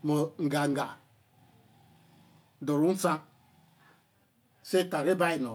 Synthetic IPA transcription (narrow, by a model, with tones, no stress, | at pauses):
mo˨ŋ̩˨ɡa˨ŋ̩˨ɡa˨ | dʊ˨ɾu˦n̩˦sa˦ | sɪ˦ta˨ɾɪ˦ba˦i˨no˨